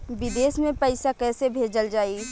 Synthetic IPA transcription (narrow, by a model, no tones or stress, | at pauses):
bɪd̪eːsmẽpəɪsakɛːsebʱeːd͡ʒəld͡ʒaːi